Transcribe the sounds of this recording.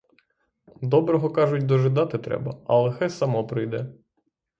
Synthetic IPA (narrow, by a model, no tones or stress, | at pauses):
d̪ɔbɾɔɦɔkɑʒʊtʲd̪ɔʒɪd̪ɑt̪ɪt̪ɾɛ̰bɐɐ̰lˠɛxɛsɐmɔpɾɪjd̪ɛ